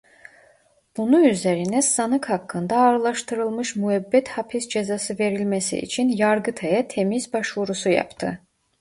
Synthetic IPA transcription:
b̥unuyzæɾinæsɑnɯkhɑkːɯnd̪ɑːɾɯlˠɑʃt̪ɯɾɯlˠmɯʃmuæbːæt̪hɑpʰisd͡ʒezɑsɯve̞ɾilmæsḭʔḭt͡ʃʰinjɑɾɡɯt̪ʰɛjɑt̪ʰemizbɑʃvuɾusujɑ̰pt̪ʰɯ

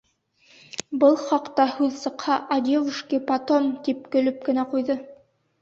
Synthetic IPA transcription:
bɤlˠχɑqt̪ɑhʉðsɤ̆qhɑʔɐd̪ʲevuʃkʲipat̪omt̪ip̚kɵ̆lɵp̚kɘ̆næqujðɤ

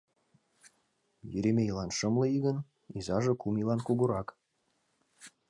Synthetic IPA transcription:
jyɾemʲeilˠɑnʃɤmlɤ̆iɣə̆n | izɑʒɤ̆kumilˠɑnkuɣuɾɑk

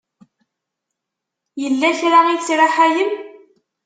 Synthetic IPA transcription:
jəlːæçɾait͡sɾaħajəm

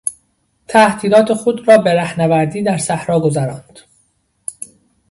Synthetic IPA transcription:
t̪ʰæht̪ʰiːlɒːt̪ʰe̞xod̪ɾɒːbeɾæhnævæɾd̪iːd̪æɾsæhɾɒːɡo̞zæɾɒːnd̪̥

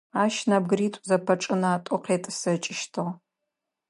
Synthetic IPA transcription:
aːʃnab̚ɡɨɾiːtʷʼzɐpʰɐʈ͡ʂʼɨnaːtʷʼɔqeːtʼɨsɐt͡ʃʼɪʃtʰɨʁ

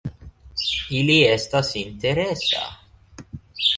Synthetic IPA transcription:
iːliɛst̪ɐsint̪ɛɾɛsːɐ̰

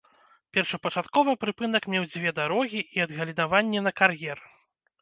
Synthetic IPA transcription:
pʲɛrʂɐpɐt͡ʂat̪kɔvɨpɾɨpɨn̪ɐkmʲɛwd͡zʲvʲɛd̪aɾɔɣʲiiɐd̪ɣɐlʲid̪avanʲːɛnɐkarjɛr

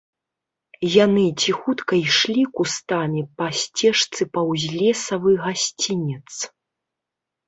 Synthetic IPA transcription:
janɨt͡sʲixut̪kɐjʂlʲikust̪amʲipasʲt͡sʲɛʂt̪sɨpɐwzʲlʲɛsɐvɨɣasʲt͡sʲinʲɛt̪s

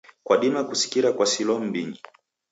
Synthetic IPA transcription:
kwaɗimakusi̥kiɾakwasilɔm̩biɲi

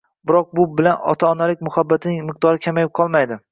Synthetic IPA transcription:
bɪɾɒq̚bʊbɪlanɒ̰t̪ʰaːnalɪkʲmʊhabːat̪ʰnɪŋmɨq̚d̪ɒɾɪkʲʰamajɪp̚qʰɒlˠmajd̪ɪ

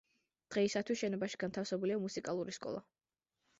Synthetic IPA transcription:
d̪̥ʁɛisat̪ʰwisʃɛnɔbaʃi̥ɡant̪ʰafsɛbuliamusikʼalˠuɾiskʼɔ̰lˠa̰

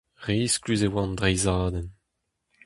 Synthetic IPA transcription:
ʁiːsklyzewɑ̃ndʁɛjzaːd̪ɛn

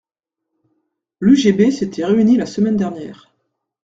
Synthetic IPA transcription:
lyʒebeset̪ʰɛʁeynilasəmɛnd̪ɛʁnjɛ̰ːʁ

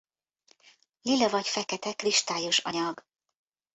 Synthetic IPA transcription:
lilːɛvɒcfɛkɛt̪ɛkriʃt̪aːjo̞ʃɒ̰ɲɒɡ

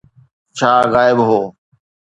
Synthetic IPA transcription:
t͡ʃʰaːɣaːɪbɦoː

